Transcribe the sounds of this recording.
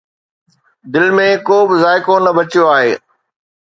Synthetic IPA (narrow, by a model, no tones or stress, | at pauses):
d̪ɪlmẽkoːbɪzaːɪkonɐbɐt͡ɕjoaːɦeː